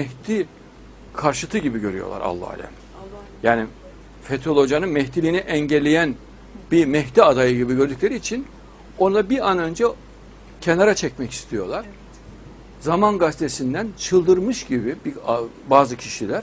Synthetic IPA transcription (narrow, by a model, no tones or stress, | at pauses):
mɛht̪ʰi | kʰaɾʃɯt̪ʰɯɟibiɟø̞ɾyjo̞̰lˠa̰ɾa̰lˠːa̰lʲɛ̰m | jaːni | fet̪ʰo̞lʲˠo̞d͡ʒanɯnmɛçt̪ʰilʲiːniʔɛɲɟɛlʲːejæn | bimɛçt̪iad̪ajɯɟibiɟø̞ɾd̪yclʲeɾiːt͡ʃʰin | o̞nd̪ˠabianø̞nd͡ʒɛ | cʰe̞naɾat͡ʃʰɛcmɛci̥st̪ʰijo̞̰ɾlˠaɾ̥ | zamanɡast̪ʰesind̪ænt͡ʃʰɯlˠd̪ɯɾmɯʃɟibibi | baːzɯcʰiʃilʲæɾ̥